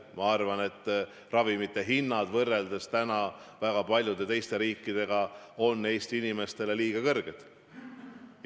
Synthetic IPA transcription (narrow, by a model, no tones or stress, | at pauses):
mɑɑrvɑne̞t̪ːˑ | rɑvimit̪ːˑe̞ɦinːɑd̪̥vɤrːe̞ld̪̥est̪ænɑ | væɡ̥ɑpɑlʲjud̪̥e̞t̪e̞jst̪e̞ɾiːkːid̪̥e̞ɡ̥ɑo̞nːe̞jst̪inime̞st̪e̞le̞liːɡ̥ɑkɤrɡ̥ed̪̥